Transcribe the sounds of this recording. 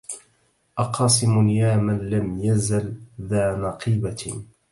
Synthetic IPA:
ʔɑqɑːsˤɨmʊnjaːmanlamjazalðaːnɑqiːba

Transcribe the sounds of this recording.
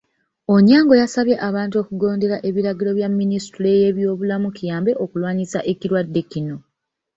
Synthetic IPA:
oɲaːŋɡo̞jasaβje̞ʔaβaːntuo̞ːkuɡo̞ːnde̞ɾaʔe̞βiɾaɡilo̞βjamːinistuleje̞βjo̞ːβulamukijaːmbe̞ʔokulwaːɲisaʔe̞ciɾwadːe̞cino̞

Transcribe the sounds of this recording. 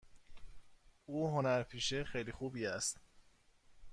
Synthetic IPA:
ʔuːɦonæɾpʰiːʃexejlixuːbiːæst̪

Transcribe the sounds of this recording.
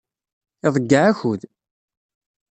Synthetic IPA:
ɪðˤəɡːaʕæçuð

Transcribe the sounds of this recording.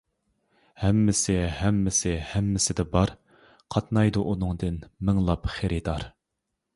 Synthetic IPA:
hɛmːɪsɪhɛmːɪsɪhɛmːɪsɪd̪ɛbɑɾ | qʰɑt̪nɑjd̪uʔunɨŋd̪ɨnmɪŋlˠɑpχeɾɪd̪ɑɾ

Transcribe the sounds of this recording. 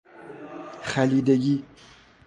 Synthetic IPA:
χæliːd̪eɡiː

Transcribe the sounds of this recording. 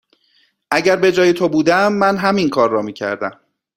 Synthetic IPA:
ʔæɟæɾbe̞d͡ʒɒːjet̪ʰobuːd̪æmːænɦæminkʰɒːɾːɒːmiːcʰæ̰ɾd̪æm

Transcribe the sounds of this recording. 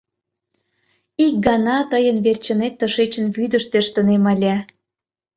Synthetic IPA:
ik̚ɡɑnɑt̪əjənβert͡ɕə̆net̪ːəʃet͡ɕə̆nβyd̪əʃt̪eʃt̪ənemɑlʲæ

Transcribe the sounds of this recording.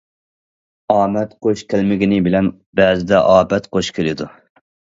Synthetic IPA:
ɑːmɛt̪qʰoʃkʲʰælmɪɡʲinɪbɪlɛn | bɛːzɪd̪ɛʔɑːbɛt̪qʰoʃkʲʰelɪd̪u

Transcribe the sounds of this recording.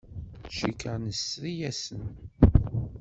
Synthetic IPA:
ʃikəɾnəsɾijæsən

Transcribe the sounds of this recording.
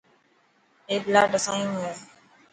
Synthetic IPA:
eːblaːɖəsãːjũːɦeː

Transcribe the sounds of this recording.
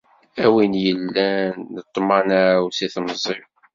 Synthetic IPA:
æwinjəlːænːət̪ˤːmɑnæwsiθməzˤiɾ

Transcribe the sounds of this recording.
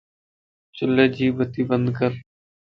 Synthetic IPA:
t͡ʃəleːd͡ʒiːbət̪iːbənd̪kəɾ

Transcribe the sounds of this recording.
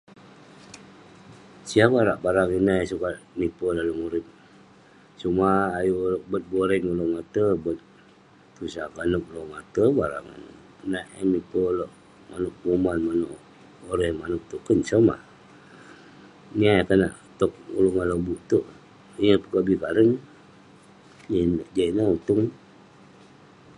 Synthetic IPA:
siabaɾaʔbaɾaŋinajsukatmipəlaluŋuɾip̚ | sumaːjulʔbət̪̚boɾɛŋulomat̪əbət̪̚ː | usakanuk̚lomat̪əbaɾa̰ŋ̰n | naʔmipəloʔ | manuk̚ɡomanmanuʔ | oɾɛmanuk̚t̪ukənsama̰ | nakanaʔ | t̪ok̚ṵluŋanlobuʔt̪uʔ | iapəkabikaɾən | d͡ʒanʔd͡ʒainaut̪uŋ

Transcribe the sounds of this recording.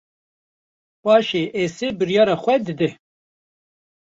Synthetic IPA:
pɑːʃeːʔeseːbɨɾjɑːɾɑːxʷɛd̪ɨd̪ɛ

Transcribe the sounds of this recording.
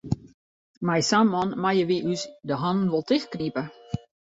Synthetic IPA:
majsamɔnmajəʋiʔysdəɦɔnn̩ʋolˠtɪxknipə

